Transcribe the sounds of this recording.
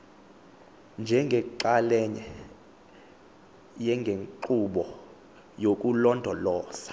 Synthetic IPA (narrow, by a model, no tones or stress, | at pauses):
nd͡ʒʱɛŋɡʱɛǃalɛɲɛ | jɛŋɡʱeŋǃuɓɔ | jok̬ʼulɔndʱɔlɔːsḁ